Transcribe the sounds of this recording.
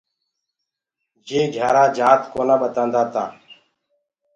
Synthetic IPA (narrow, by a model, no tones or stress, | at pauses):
d͡ʒeːɡʱaːɾãːd͡ʒaːt̪koːnãːɓət̪ãːnd̪aːt̪ãː